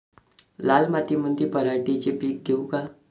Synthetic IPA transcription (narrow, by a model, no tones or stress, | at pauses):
lalmat̪iməd̪ʱjepəɾaʈit͡ɕepiːk̚d̪ʱeuka